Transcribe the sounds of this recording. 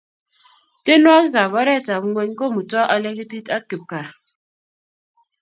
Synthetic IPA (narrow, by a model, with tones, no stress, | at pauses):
te˦nwa˦ki˦ka˨βɔ˦ɾɛ˦˨ta˨m˦ŋwe˦ɲ˦kɔ˦˨mu˨tɔ˦ʔɔ˦le˦ki˦ti˦ta˦ki˨p̚ka˨